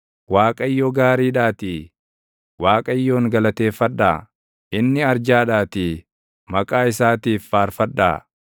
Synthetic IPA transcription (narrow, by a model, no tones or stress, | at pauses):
waːkʼɐjːoːɡaːɾiːᶑaːt̪iː | waːkʼɐjːo̞ːŋɡɐlɐt̪e̞ːfːɐᶑːaː | ʔɪnːɪɐɾd͡ʒaːᶑaːt̪i | mɐkʼaːɪsaːt̪iːfːaːɾfɐᶑːa̰ː